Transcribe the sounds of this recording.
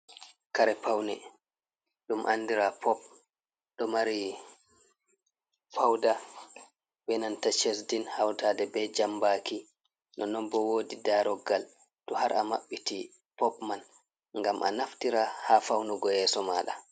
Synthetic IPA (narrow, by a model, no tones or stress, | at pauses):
kaɾɛpʰawnɛ | ɗumʔa̰nːdiɾapʰɔp̚ | ɗɔmaɾi | pʰawda | bɛnantat͡ʃes̬dinhawtadɛbɛd͡ʒambaki | nɔnɔmbɔwoːdidaɾɔɡal | tɔhaɾa̰ma̰ɓːiti | pɔpman | ŋɡamʔa̰naftiɾahafawnuɡɔjɛsɔmaːɗa